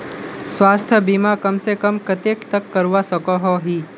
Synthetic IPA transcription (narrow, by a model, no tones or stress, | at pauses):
swaːst̪ʰjəbimakɐmsekəmkɐt̪eːkt̪ɐkːɐɾʋasəkɔɦɔɦiː